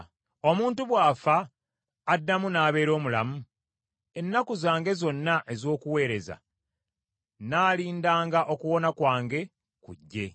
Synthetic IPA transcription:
o̞muːntuβwaːfaː | dːamunaːβe̞ːɾo̞ːmulamu | e̞nːakuzaːŋɡe̞zo̞nːaʔe̞zo̞ːkuwe̞ːɾe̞za̰ | naːliːndaːŋɡaʔo̞kuwo̞nakwaːŋɡe̞ | kṵɟːe̞̰

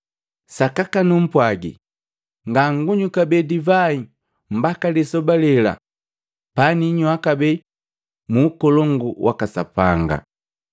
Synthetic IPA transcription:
sakakanum̩pwaɡḭ | ŋɡaŋɡuɲukabɛdivai | m̩bakalisɔbalɛla̰ | paniɲuakabɛ | muːkɔlɔŋɡuwʔa̰kasa̰paŋɡa̰

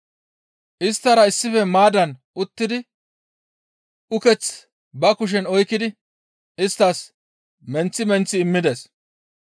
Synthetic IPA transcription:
ʔɪst̪ːɐɾɐɪsːɪfɛmaːd̪ɐnʔʊt̪ːɪd̪ɪ | ʊkɛt͡s | bɐkʊʃ̬ɛnɔjkːɪd̪ɪ | ɪst̪ːɐs | mɛnt͡sːɪmɛnt͡sːɪːmːɪd̪es

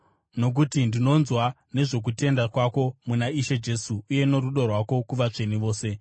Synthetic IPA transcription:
no̞k̬utindino̞nzwa | ne̞ʐo̞k̬ute̞ndakwako̞munaiʃe̞d͡ʒe̞suːje̞no̞ɾuɗo̞rwako̞kuʋat͡ʂe̞niʋo̞ːse̞

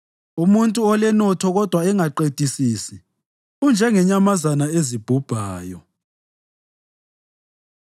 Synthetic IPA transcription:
umuntʼuɔlɛnɔtʰɔɣɔd̥ʱwaɛŋaǃed̥ʱisiːsi | und͡ʒʱɛŋɛɲamazanaezib̥ʱub̥ʱaːjɔ

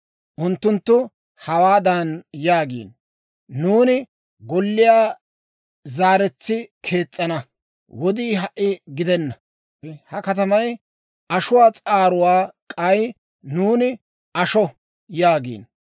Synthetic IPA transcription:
ʔʊnt̪ːʊnt̪ːʊ | hɐwaːd̪anjaːɡḭːnː | uːnɪ | ɡɔlːɪjaː | zaːɾɛt͡sːɪkʰe̞ːt͡sʼːɐnɐ | wɔd̪iːɦɐʔɪɡɪd̪ɛnːɐ | hɐkɐt̪̬ɐmɐj | ɐʃʊwaːt͡sʼaːɾʊwaːkʼɐj | nuːnɪ | ɐʃɔ | jaːɡḭːn

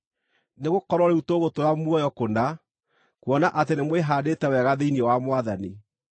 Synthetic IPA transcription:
neɣokɔɾɔɾeutoɣotoɾamwɔjɔkona | kwɔnaʔatenemweɦaːdetɛwɛɣaðeiniewamwaðani

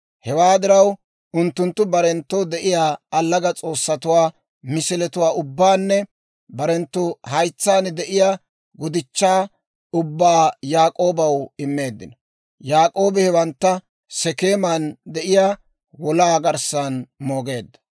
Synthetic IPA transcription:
hɛwaːd̪ɪɾɐw | ʊnt̪ːʊnt̪ːʊbɐɾɛnt̪ːɔwd̪ɛʔɪjaːɐlːɐɡɐt͡sʼo̞ːsːɐt̪ʊwaː | mɪsɪlɛt̪ʊwaːʔʊbːaːnːɛ | bɐɾɛnt̪ːʊhɐjt͡sːaːnd̪ɛʔɪja | ɡɔd̪ɪt͡ʃːaː | ʊbːaːjaːkʼo̞ːbɐwɪmːe̞ːd̪ːɪnɔ | jaːkʼo̞ːbɛhɛwɐnt̪ːɐ | sɛke̞ːmand̪ɛʔɪjaː | wɔlaːɡɐɾsanmo̞ːɡe̞ːd̪ːɐ̥

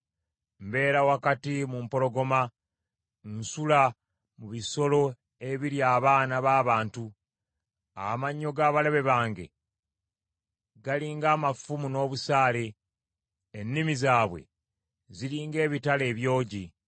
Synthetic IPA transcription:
mbe̞ːɾawakatimumpo̞lo̞ɡo̞ma | nsula | muβiso̞lo̞ | e̞βiɾjaːβaːnaβaːβaːntu | amaɲːo̞ɡaːβale̞βe̞βaːŋɡe̞̰ | ɡaliːŋɡaːmafumuno̞ːβusaːle̞ | enːimizaːβwe̞̰ | ziliːŋɡe̞ːβitale̞ːβjo̞ːɟi

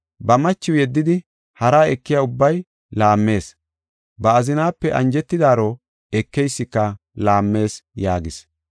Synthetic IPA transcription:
bɐmɐt͡ʃːɪwjɛd̪ːɪd̪ɪ | hɐɾaːɛkːɪjaʊbːɐj | laːmːe̞ːs | bɐːzɪnaːpːɛʔɐnd͡ʒɛt̪ːɪd̪aːɾo | ɛkːɛjsːɪkːɐ | laːmːe̞ːsjaːɡɪs

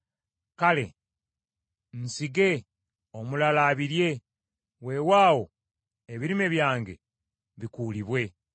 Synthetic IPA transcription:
kale̞ | n̩siɡe̞ | omulalaːβiɾje̞ | we̞ːwaːwo̞ | eβiɾime̞βjaːŋɡe̞̰ | βikuːliβwe̞

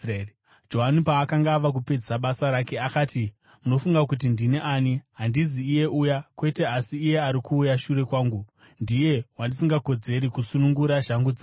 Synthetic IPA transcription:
d͡ʒo̞ɦanipaːkaŋɡaʋak̬upe̞d͡zisaɓasaɾake̞akaːti | muno̞fuŋɡak̬ut̬indineʔaːniɦandiziːje̞ʔujakwe̞te̞asiːje̞aɾikuːjaʃuɾe̞kwaːŋɡu | ndije̞wandisiŋɡako̞d͡ze̞ɾikusunuŋɡuɾaʒaŋɡud͡za

